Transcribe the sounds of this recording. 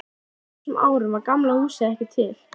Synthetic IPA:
sɛmʔa̰ːwɾʏmvaɾkamlahuːsɪɛhcɪt̪ʰɪl̥

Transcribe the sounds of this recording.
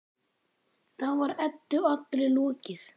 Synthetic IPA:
θaðvaɾɛt̪ːʏat̪lɪlɔːcɪθ

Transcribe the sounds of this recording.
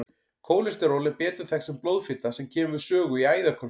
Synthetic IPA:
kʰoːwlɪst̪ɪɾoːwlɪpɛːt̪ʏɾ̥θɛxsɛmplowðfɪt̪asɛmcʰɛːmʏʏ̥sœːɣʏiaːjðakʰɔ

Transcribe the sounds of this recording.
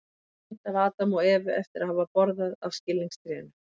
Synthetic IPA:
t̪avaːt̪amɔɛːvʏʔɛft̪ɪɾaðhavapɔɾðaða̰v̥scɪlːiŋst̪ɾɛna

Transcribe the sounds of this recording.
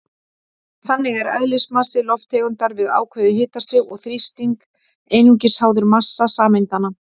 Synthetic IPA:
θanːɪɣɛɾœ̰ðlɪsmasɪlɔft̪ʰeːɣʏnt̪aɾvɪða̰ːwkʰvœːðɪɦɪːt̪ast̪ʏɣɔɣθɾist̪iŋk | ejnuɲcɪshaːwðʏɾmasːasaːmejnt̪ana

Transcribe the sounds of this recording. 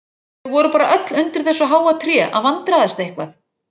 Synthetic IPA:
ɣvɔɾʏpaːɾaʔœt̪lʏnt̪ɪɾ̥θɛsːɔɦaːwat̪ʰɾjɛːʔa̰ðvant̪ɾaðɛst̪aejhkvaθ

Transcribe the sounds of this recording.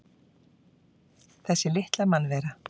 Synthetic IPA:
θɛsːɪlɪht̪lamanvɛːɾa

